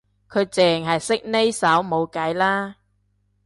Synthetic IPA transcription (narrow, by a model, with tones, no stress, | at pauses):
kʰɵ˨˧ɥt͡sɛː˨ŋɦɐ˨jsɪ˥k̚ne˥jsɐ˨˥wmo˨˧wkɐ˨˥jlaː˥